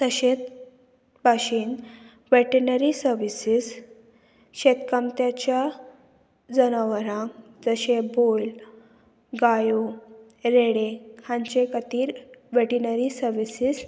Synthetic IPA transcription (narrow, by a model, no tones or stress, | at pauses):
t̪əɕet̪̚ | bʱaɕiːn | ʋeʈəɾnəɾisəɾʋisis | ɕet̪kamt̪jat͡ɕja | d͡zənaʋəɾãŋ | d͡zəɕebol | ɡajo | ɾeɽekʰãɲt͡ɕekət̪iːɾʋeʈinəɾisəɾʋisis